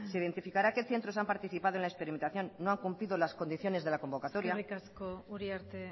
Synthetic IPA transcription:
seiðe̞nt̪ifikaɾakeθe̞nt̪ɾo̞s̬ampaɾt̪iθipað̞oe̞nlespe̞ɾime̞nt̪aθjo̞nːo̞aŋkumpliðo̞lasko̞nd̪iθjo̞ne̞zðe̞lako̞mbo̞kat̪o̞ɾjaikaskouɾiaɾt̪e

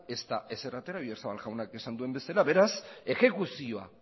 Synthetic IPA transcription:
e̞st̪ae̞serat̪e̞ɾaβieɾsaβalʝawnakesand̪ue̞mbe̞salaβe̞ɾase̞xe̞kusio̞a̰

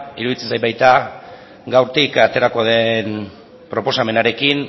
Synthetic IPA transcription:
iɾuðit͡se̞nsajbajt̪a | ɡawɾt̪ikat̪e̞ɾako̞ðe̞n | pɾo̞po̞same̞naɾe̞kin

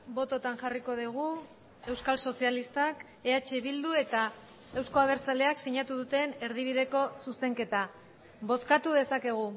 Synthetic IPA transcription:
bo̞t̪o̞t̪anʝariko̞ðiɣ̞u | e̞wskalso̞sialist̪ak | e̞at͡ʃeβild̪ue̞t̪a | e̞wsko̞aβ̞e̞ɾt͡sale̞aksiɲat̪uðut̪e̞neɾðiβ̞iðe̞ko̞suse̞ŋke̞t̪a | βo̞skat̪uðe̞sake̞ɣ̞u

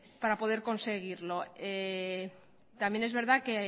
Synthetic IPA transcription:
paɾapo̞ð̞e̞ɾko̞nse̞ɣ̞iɾlo̞e | t̪amje̞nezβe̞ɾð̞ake

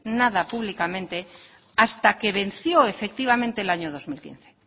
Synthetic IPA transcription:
naðapuβlikamẽnt̪e̞ | ast̪ake̞βe̞n̟θjo̞e̞fe̞k̚t̪iβ̞amẽnt̪elaɲoð̞o̞zmilkḭn̟θe̥

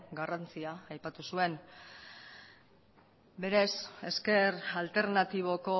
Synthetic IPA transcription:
ɡarant͡siaːjpat̪usue̞n | be̞ɾe̞se̞ske̞ɾalt̪e̞ɾnat̪iβ̞o̞ko̞

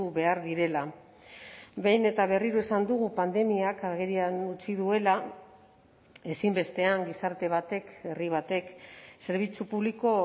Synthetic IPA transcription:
uβe̞aɾðiɾe̞la | be̞jne̞t̪aβe̞riɾoesand̪uɣ̞upand̪e̞miakaɣeɾianut͡siðue̞la | e̞simbe̞st̪e̞aŋɡisaɾt̪e̞β̞at̪e̞ke̞riβ̞at̪e̞kse̞ɾβ̞it͡supuβliko̞

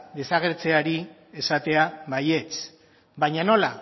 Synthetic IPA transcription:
d̪e̞saɣ̞e̞ɾt͡se̞aɾi | e̞sat̪e̞aβaje̞t͡s | bajɲano̞la

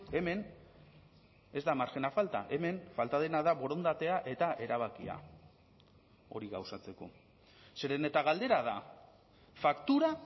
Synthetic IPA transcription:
e̞me̞n | e̞zd̪amaɾxe̞nafalt̪a̰ʔe̞me̞nfalt̪að̞e̞naðaβo̞ɾo̞nd̪at̪e̞aʔe̞t̪aʔe̞ɾaβ̞akia̰ | o̞ɾiɣawsat͡se̞ko̞̰ | seɾenet̪aɣald̪e̞ɾað̞a | fakt̪uɾa

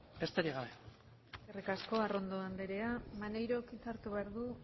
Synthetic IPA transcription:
est̪eɾiɣaβe | erikasko̞aro̞nd̪oand̪eɾe̞amane̞jɾo̞kit͡s̪aɾt̪uβeaɾðu

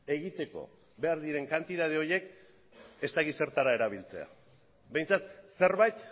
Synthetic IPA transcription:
e̞ɣit̪e̞ko̞̰ | βe̞aɾðiɾe̞ŋkant̪iðað̞eo̞je̞k | e̞st̪aɣit̪se̞ɾt̪aɾae̞ɾaβ̞ilt͡se̞a̰ | be̞jnt͡sat̪se̞ɾβajt̪

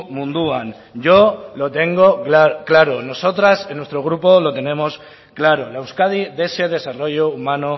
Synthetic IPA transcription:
mũnd̪uan | ɟ͡ʝo̞lo̞t̪e̞ŋɡo̞kaklaɾono̞so̞t̪ɾasenwe̞st̪ɾo̞ɣ̞ɾupo̞lo̞t̪e̞nẽ̞mo̞s | klaɾolewskaðiðe̞se̞ð̞e̞saro̞ʝoumãno

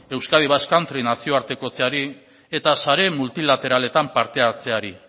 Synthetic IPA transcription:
e̞wskað̞iβaskant̪ɾinasio̞aɾt̪e̞ko̞t͡seaɾi | e̞t̪asaɾe̞mult̪ilat̪e̞ɾale̞t̪ampaɾt̪e̞at͡se̞aɾi

